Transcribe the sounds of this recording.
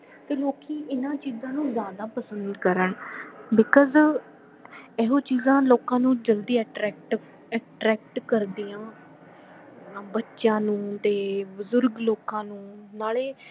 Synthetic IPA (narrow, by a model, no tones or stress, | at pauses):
t̪eːloːkiːʔɪnãːt͡ʃiːzãːnũːzjaːd̪aːpəsə̃nd̪kəɾəɳbɪkɔz | ɛːɦõːt͡ʃiːzãːloːkãːnũːd͡ʒəld̪iːɛʈɾɛːk̚ʈɪ | ɛʈɾɛːk̚ʈkəɾd̪iːãː | bətːʃãːnũːt̪eːbəzʊɾɡloːkãːnũːnaːɭeː